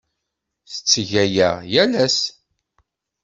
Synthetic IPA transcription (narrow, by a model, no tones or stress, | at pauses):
θə̥t͡sːʝæjæjælæs